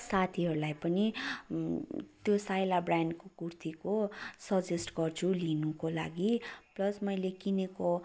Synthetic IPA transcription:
sat̪ʰiɦʌɾulajpʌni | t̪josajlabraɳɖkokurt̪ikosʌd͡zesʈɡʌrt͡sʰulinukola̰ɡiplʌsmʌjlekineko

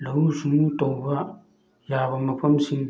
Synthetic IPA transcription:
lahusuŋutowba | jaβamapʰamsiŋ

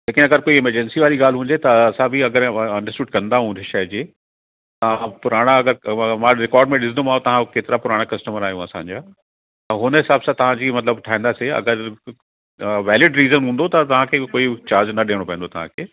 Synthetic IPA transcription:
d͡ʑeːkɪnɐɡəɾkoːiɪməɾd͡ʑɛnsiʋaːɾiɡaːl̤ɦũːn̆d͡ʑet̪ɐɐsãbɪɐɡəɾɐ̃ɳɖəsʈuːɖkɐ̃nd̪aɦũnd̪ʱeʃɐd͡ʑeː | t̪ɐʋ̤ãpʊɾaːɽ̃aɐɡəɾmãːɾɪkɔːɾɖmẽɗɪsnd̪omaːõt̪ɐʋ̤ãkeːt̪ɪɾapʊɾaːɽ̃akɐsʈəməɾaːijũɐsã̰ːɲd͡ʑaː | t̪ɐɦʊnəɦɪsaːbsãt̪ɐʋ̤ãd͡ʑiːmɐt̪ləbʈʰaːĩːn̆d̪aːseɐ̰ɡəɾ | ʋɛːlɪɖɾiːzənɦũːnd̪ot̪ɐt̪ɐʋ̤ãkʰekoːit͡ɕaːɾd͡ʑnɐɗeːɽ̃opɐ̃nd̪ot̪ɐʋ̤ãkʰeː

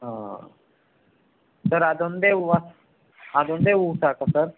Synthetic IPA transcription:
ɦã | səɾad̪ond̪euʋas | ad̪õnd̪eusakasəɾ

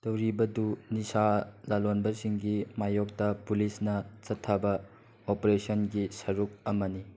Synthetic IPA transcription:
tɐwɾibɐdunisalalonbɐsiŋɡimajok̚tɐpulisnɐt͡ʃɐtʰːɐbɐ | opɾesɐnɡisɐɾuk̚ɐmɐni

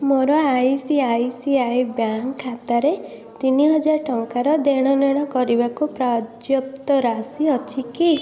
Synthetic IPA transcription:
moɾɔajsiajsiajbjaŋʰːat̪aɾe | t̪iniɦɔd͡ʒaɾʈɔŋkaɾɔd̪eɽ̃ɔnɛɽ̃ɔkɔɾibakupɾad͡ʒjɔp̚t̪ɔɾasiɔt͡ʃʰiki

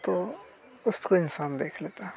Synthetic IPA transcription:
t̪o | ʊskoɪnsaːnd̪eːkʰleːt̪aː

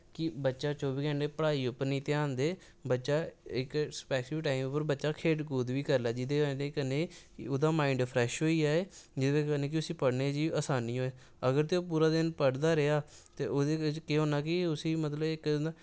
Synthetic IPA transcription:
kɪbətːʃaːt͡ʃoːbiːkɛ̃ːɳɖeːpəɽaːiːʊpəɾnĩːt̪eːãːnd̪eː | bətːʃaːɪkspɛːsɪʋʈaːimʊpəɾbətːʃaːkʰeːʈkuːd̪ʋiːkəɾlaːd͡ʒɪd̪eːdeːkəneː | oːd̪aːmaːɪɳɖpʰɾɛːʃɦoːiːaːeːd͡ʒɪd̪eːkəneːk̬ɪʊsiːpəɽneːd͡ʒiːəsaːniːɦoːeː | əɡəɾt̪eːoːpuːɾaːd̪ɪnpəɽd̪aːɾeaːt̪ḛːʔoːd̪eːkeːɦoːnaːkɪʊsiːmət̪ləbɪkː

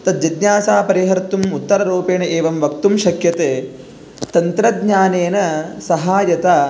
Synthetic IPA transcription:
t̪ɐd̪̚d͡ʒɐd̪ɲjaːsaːpɐɾiɦɐɾt̪umut̪ːɐɾɐɾoːpeːnɐʔeːʋɐmʋɐk̚t̪umʃɐkjɐt̪eː | t̪ɐnt̪ɾɐd̪ɲaːneːnɐsɐɦaːjɐt̪aː

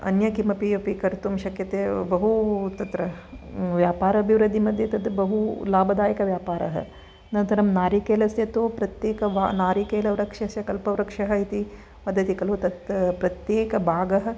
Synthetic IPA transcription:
ɐ̰njɐkimɐpiɐpikɐɾt̪umʃɐkjɐt̪eːbɐɦut̪ɐt̪ɾɐʋjaːpaːɾɐɐbʱiʋɾɨd̪ʱːimɐd̪ʱjɐt̪ɐd̪bɐɦulaːbʱɐd̪aːjɐkɐʋjaːpaːɾɐ̰ɦɐ̰ | nɐnt̪ɐɾɐmnaːɾikeːlɐsjɐt̪oːpɾɐt̪jeːkɐʋanaːɾikeːlɐʋɾɐkʂɐsjɐkɐlpɐʋɾɐkʂɐɦɐit̪i | mɐd̪ʱːɐt̪ikɐlut̪ɐt̪pɾɐt̪jeːkɐbʱaːɡɐɦɐ̆

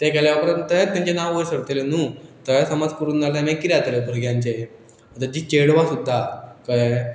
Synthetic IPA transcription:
t̪ẽkɛljaʋəkɾant̪əɦet̪jãɲt͡ɕenaʋʋəjsəɾt̪elenuːt̪əjasəmad͡zkəɾuːnd͡zaljanãjkiɾjat̪əɾebʱəɾɡjãɲt͡ɕe | ət̪ad͡ʑiːt͡ɕeɽʋãsud̪ʱːakəe

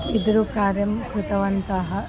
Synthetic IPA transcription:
id̪ɾukaːɾjɐmkɾut̪ɐʋɐnt̪ɐɦɐ

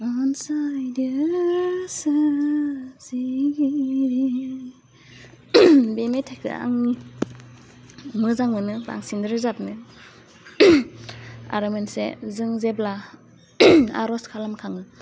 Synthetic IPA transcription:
ansajdɯ | sɯ | ziɡiɾi | bemetʰajkʰɯ̰a̰ŋni | mɯzaŋɯnɯba̰ŋsind̪ɾzap̚nɯ | a̰ɾɯmensḛzɯŋzebla | a̰ɾɔskʰalamkʰaŋɯ

